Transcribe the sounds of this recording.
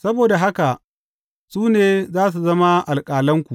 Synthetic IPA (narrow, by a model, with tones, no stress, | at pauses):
sɐ˦boː˨da˨ɦa˦ka˨ʔ | suː˦neː˨zaː˦s̬u˨zɐ˦ma˦ʔa˨lkʼaː˨lɐ˦ŋkʷu˨ʔ